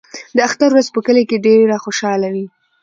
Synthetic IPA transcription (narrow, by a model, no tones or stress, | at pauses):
d̪əaxt̪aɾwɾazpəkəlekeɖeɾaxoʃɑlawi